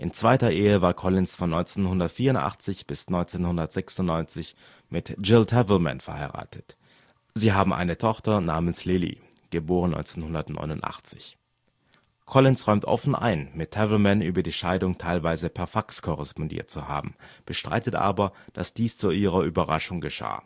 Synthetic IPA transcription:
ʔɪnt͡sv̥aɪtɐʔeːəvaːɐkʰɔlɪnsfɔnːɔʏnt͡seːnhʊndɐtfiːɐʊntʔa̰χt͡sɪçb̥ɪsnɔʏnt͡seːnhʊndɐtz̥ɛksʊntnɔʏnt͡sɪç | mɪtd͡ʒɪltʰɛvl̩mɛ̰nfɛɐhaɪʁa̰ːtʰət | ziːɦaːbm̩ʔa̰ɪnətʰɔχtɐnaːmənslɪlḭ | ɡ̥əboːʁənɔ̰ʏnt͡seːnhʊndɐtnɔ̰ʏnʊntʔa̰χt͡sɪ̥ç | kʰɔlɪnsʁɔʏmtʔɔ̰fn̩ʔa̰ɪnmɪtʰːɛvlmɛnʔyːbɐdiːʃaɪdʊŋtʰaɪlvaɪzəpʰɛɐfakskʰɔʁɛspɔndḭːɐt̚t͡suha̰ːbm̩b̥əʃtʁ̥a̰ɪtətʔa̰ːbɐd̥a̰sd̥iːst͡suʔiːʁ̞ɐʔyːbɐʁa̰ʃʊŋɡəʃa̰ː

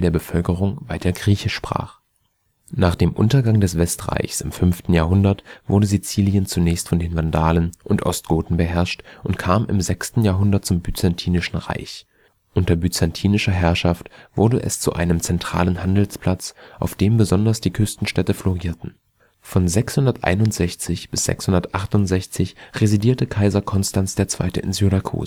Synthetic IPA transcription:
deːɐbəfœlkəʁ̞ʊŋvaɪtʰɐɡʁiːçəʃpʁ̥a̰ːχ | naːχd̥eːmʔʊ̰ntɐɡaŋdɛsv̥ɛstʁa̰ɪçsɪmfʏnftn̩jaːɐɦʊndɐtv̥ʊɐdəzit͡siːljənt͡sunɛːçstfɔndeːnvandaːlənʔʊntʔɔ̰stɡ̥oːtn̩bəɦɛɐʃtʔʊntkʰaːmɪ̰mzɛkstn̩jaːɐɦʊndɐt̚t͡sʊmbyt͡santʰiːnɪʃn̩ʁa̰ɪç | ʔʊntɐbyt͡santʰiːnɪʃɐɦɛɐʃaftv̥ʊɐdəʔɛ̰st͡sṵʔa̰ɪnəmt͡sɛntʁ̥a̰ːlənhandl̩spʰl̥at͡sʔaʊfd̥eːmbəzɔndɐsd̥iːkʰʏstn̩ʃtɛtəfloʁiːɐtn̩ | fɔnzɛkshʊndɐtʔa̰ɪnʊntz̥ɛçt͡sɪçb̥ɪsz̥ɛ̰kshʊndɐtʔaχtʊntz̥ɛçt͡sɪçʁezidiːɐtəkʰaɪzɐkʰɔnstansd̥eːɐt͡sv̥a̰ɪtəɪ̰nzyʁakʰṵːz

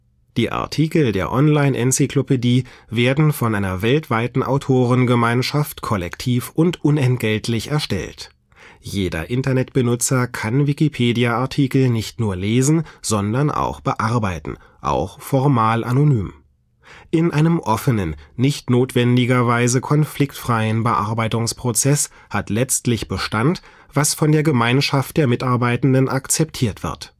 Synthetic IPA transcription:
d̥iːʔa̰ɐtʰiːkl̩deːɐʔɔnlaɪnʔɛnsikl̥opediːveːɐdn̩fɔnʔaɪnɐvɛltv̥aɪtn̩ʔa̰ʊtʰoːʁ̞ənɡəmaɪnʃaftkʰɔlɛktʰiːfʔʊntʔʊnɛntɡ̥ɛltʰlɪçɛɐʃtɛ̰lt | jeːdɐ̰ʔɪntɐnɛtb̥ənʊt͡sɐkʰanvikipʰeːdiaaɐtʰiːkl̩nɪçtnuːɐleːzn̩z̥ɔndɐnʔa̰ʊxb̥əʔaɐbaɪtn̩ | ʔa̰ʊxfɔʁmaːlʔa̰nonyːm | ʔɪnʔaɪnəmʔɔfənənːɪçtnoːtv̥ɛndɪɡɐvaɪzəkʰɔnflɪktfʁ̥aɪənbəʔa̰ɐbaɪtʊŋspʁ̥ot͡sɛs | hatlɛt͡stlɪçb̥əʃtant | v̥asfɔndeːɐɡəmaɪnʃaft̚d̥eːɐmɪtʔaɐbaɪtn̩dənʔakt͡sɛp̚tʰiːɐtv̥ɪ̰ɐt

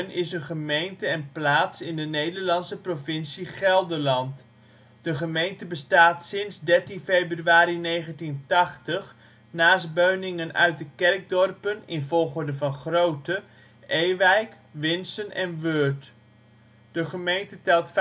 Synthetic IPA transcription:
nɪsənχəmejntəɛnplaːtsɪndənejdəɹlɑnsəprovɪnsiχɛlˠdəɹlɑnt | d̥əχəmejntəbəstaːtsɪnzdɛrtinfejbryaːɾinejχəntintɑχtəχ | naːsd̚bøɥnɪŋənœ̰ɥt̚dəkɛrɡ̚dɔrpənɪnvɔlˠχʊɹdəvɑnχrowtə | ʔejʋɛjk | ʋɪnsənʔɛnʋøːɹt | d̥əχəmejntətɛlˠtf

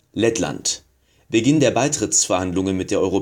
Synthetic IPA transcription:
lɛtla̰nt | b̥əɡɪndeːɐbaɪtʁ̥ɪt͡sfɛɐhandlʊŋənmɪt̚d̥eːɐʔɔʏʁo

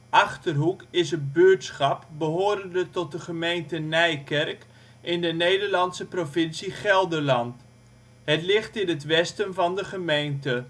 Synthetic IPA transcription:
ʔɑχtərɦukɪsətbøːtsχɑpbəɦoːɾəndətɔt̚dəχəmejntənɛjkɛrk | ʔɪndənejdəɹlɑnsəprovɪnsiχɛlˠdəɹlɑnt | hətlɪχtɪnətʋɛstənvɑndəχəmejntə

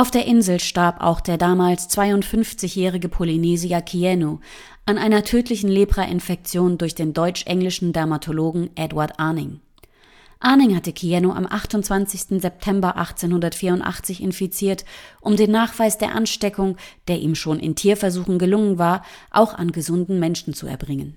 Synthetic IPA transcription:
ʔaʊfd̥eːɐʔɪnzl̩ʃtaɐpa̰ʊxd̥eːɐdaːmaːlst͡sv̥aɪʊntfʏnft͡sɪçjɛːʁ̞ɪɡəpʰolineːziɐkʰiɛno | ʔanʔaɪnɐtʰøːtʰlɪçn̩leːpʁ̥aʔɪnfɛk̚t͡sjoːndʊɐçd̥eːndɔʏt͡ʃʔɛŋlɪʃn̩dɛɐmatʰoloːɡŋ̩ʔɛdwaɐtʔaːnɪŋ | ʔaɐnɪŋhatəkʰiɛnoʔa̰mʔaχtʊntt͡sv̥ant͡sɪçstn̩zɛp̚tʰɛmbɐʔa̰χt͡seːnhʊndɐtfiːɐʊntʔa̰χt͡sɪçɪ̰nfit͡siːɐtʔʊmdeːnːaːχv̥aɪsd̥eːɐʔanʃtɛkʊŋd̥eːɐʔḭːmʃoːnʔɪ̰ntʰiːɐfɛɐzuːxŋ̩ɡəlʊŋənvaːɐʔa̰ʊxa̰nɡəzʊndn̩mɛnʃn̩t͡suɛ̰ɐbʁɪŋən

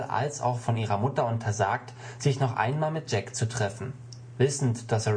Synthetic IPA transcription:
ʔa̰lsa̰ʊxfɔnʔiːʁɐmʊtɐʊntʰɐza̰ːk̚t | z̥ɪçnɔχʔa̰ɪnmaːlmɪt̚ʒ̥ɛkt͡sutʁ̥ɛfn̩ | vɪsn̩td̥asə

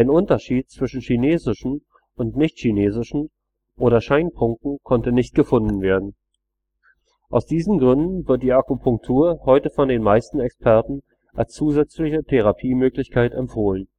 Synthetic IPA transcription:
aɪnʔʊntɐʃiːt̚t͡sv̥ɪʃn̩ʃineːzɪʃn̩ | ʔʊntnɪçtʃineːzɪʃn̩ | ʔoːɾɐʃaɪnpʰʊŋkŋ̩kʰɔntənɪçt̚ɡ̥əfʊndn̩veːɐdn̩ | ʔaʊsd̥iːzn̩ɡʁʏndn̩vɪɐt̚d̥iːʔakupʰʊŋk̚tʰuːɐhɔʏtəfɔndeːnmaɪstn̩ɛkspʰɛɐtn̩ | ʔalst͡suːzɛt͡slɪçətʰɛʁ̞apʰiːmøːklɪçkʰaɪtɛmpfoːlən

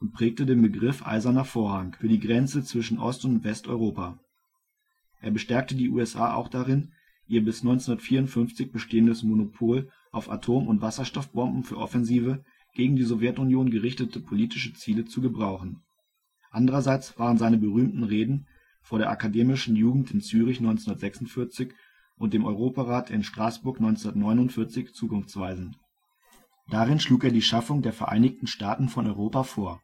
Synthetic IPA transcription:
ʔʊnt̚pʁ̥ɛːk̚tədeːnbəɡʁɪfʔa̰ɪzɐnɐfoːɐɦaŋfyːɐdiːɡʁɛnt͡sət͡sv̥ɪʃn̩ʔɔ̰stʊntv̥ɛstʔɔ̰ʏʁoːpa | ʔeːɐbəʃtɛɐk̚tədiːʔṵːɛsʔa̰ːʔa̰ʊxd̥aʁɪn | ʔiːɐbɪsnɔʏnt͡sʊndɐtfiːɐʊntfʏnft͡sɪçb̥əʃteːəndəsmonopʰoːl | ʔaʊfa̰tʰoːmʊntv̥asɐʃtɔfb̥ɔmbm̩fyːɐʔɔ̰fɛnziːvə | ɡ̥eːɡŋ̩diːzɔvjɛtʊnjoːnɡəʁɪçtətʰəpʰoliːtɪʃət͡siːlət͡suɡəbʁaʊχn̩ | ʔandəʁɐzaɪt͡sv̥aːʁənzaɪnəbəʁyːmtn̩ʁeːdn̩ | foːɐɾeːɐʔakadeːmɪʃn̩juːɡŋ̩tɪnt͡syːʁ̞ɪçnɔʏnt͡snndɐtz̥ɛksʊntfɪɐt͡sɪç | ʔʊnt̚d̥eːmʔɔʏʁ̞oːpaʁaːtʰɪnʃtʁ̥aːsb̥ʊɐknɔʏnt͡sundɐtnɔʏnʊntfɪɐt͡sɪçt͡suːkʊnft͡sv̥aɪzn̩ | d̥aːʁɪnʃluːkeːɐdiːʃafʊŋdeːɐfɛɐʔa̰ɪnɪçtn̩ʃtaːtn̩fɔnʔɔʏʁoːpafoːɐ

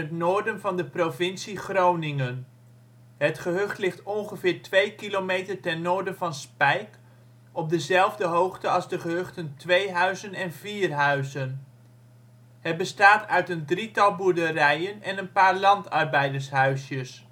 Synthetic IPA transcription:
ətnoːɹdənvɑndəprowvɪnsiχrownɪŋən | ɦətχəɦɵχtlɪχtɔnχəvɪːɹtʋejkilowmejtəɹtɛnːoːɹdənvɑnspɛjk | ɔb̚dəzɛlˠvdəɦowχtəɑlˠzdəχəɦɵχtəntʋejɦœɥzənɛnviːrɦœɥzən | ɦɛtbəstaːtœɥtəndritɑlˠbuɹdərɛjənɛnənpaːɹlɑntɑɹbɛjdəɹsɦœɥsjəs

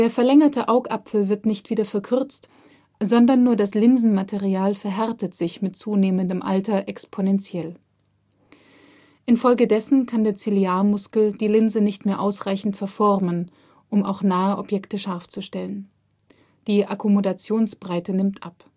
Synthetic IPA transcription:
d̥eːɐfɛɐlɛŋɐtʰəʔaʊkʔapfl̩vɪɐtnɪçtv̥iːdɐfɛɐkʰʏɐt͡st | zɔndɐnːuːɐdaslɪnzn̩matʰeʁiaːlfɛɐɦɛɐtətz̥ɪçmɪtt͡suːneːməndəmʔa̰ltɐʔɛkspʰonɛnt͡sjɛl | ʔɪnfɔlɡədɛsn̩kʰandeːɐt͡siliaːɐmʊskl̩d̥iːlɪnzənɪçtmeːɐʔaʊsʁ̥aɪçn̩tfɛɐfɔʁmən | ʔʊma̰ʊxnaːəʔɔpjɛktəʃaɐft͡suʃtɛlən | d̥iːʔakʰumodat͡sjoːnsb̥ʁaɪtənɪmtʔap

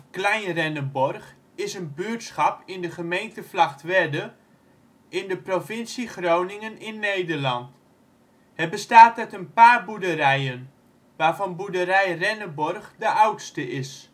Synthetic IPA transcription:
klɛjnrɛnəbɔrχ | ɪsənbytsχɑpɪndəχəmejntəflɑχtʋɛdə | ɪndəprofɪnsiχrownɪŋənɪnːejdərlɑnt | hɛbəstaːtɛtənpaːrbudəɾɛjən | ʋaːɹvɑnbudəɾɛjrɛnəbɔrχdəʔawtstəʔɪs

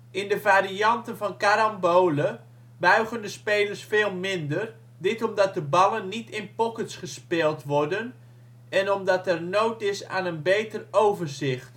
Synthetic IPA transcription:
ɪndəvaːriɑntənvɔnkaɾɔmboːlə | bœɥɣəndəspeːlərsfeːlˠmɪndər | dɪtɔmdɑt̚dəbɑlˠənːitɪnpɔkətsχəspɪːlˠtʋɔrdən | ɛnɔmdɔtɛrnowtɪsa̰ːnənbeːtərowvərzɪxt

